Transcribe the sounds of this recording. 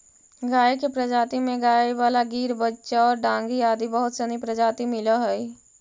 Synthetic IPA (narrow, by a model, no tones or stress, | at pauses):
ɡaːekepɾəd͡ʒaːt̪imẽɡaːewaːlaɡiːɾbətːʃaɔːɾɖãːŋɡiaːd̪ibəɦʊt̪sənipɾəd͡ʒaːt̪imɪlaɦɛi